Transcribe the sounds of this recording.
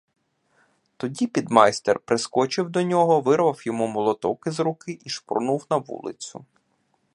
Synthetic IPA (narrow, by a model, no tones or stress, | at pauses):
t̪ɔdʲipʲid̪mɑjst̪ḛrpɾɪskɔt͡ʃɪwd̪ɔnʲɔɦɔʋɪɾʋɐwjɔmumɔlˠɔt̪ɔkɪzɾukɪʔiʃpɾnuwnɐʋṵlˠɪ̰t͡sʲʊ̰